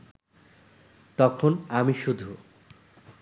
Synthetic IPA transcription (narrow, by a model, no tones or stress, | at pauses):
t̪ɔkʰonamiʃud̪ʱu